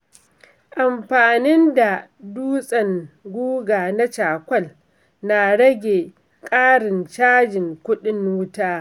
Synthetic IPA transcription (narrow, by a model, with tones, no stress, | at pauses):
ʔa˨mɸaː˨nɪ˦nda˨duː˦sʼɐ˨ŋɡʷuː˦ɡaː˨na˦t͡ʃaː˨kʷɐ˦˨l | na˨ɽɐ˦ɡʲe˨ | kʼaː˦ɽɪ˨nt͡ʃaː˦d͡ʒɪ˨ŋkʷʊ˦ɗɪ˦n˦ʊ˦taː˦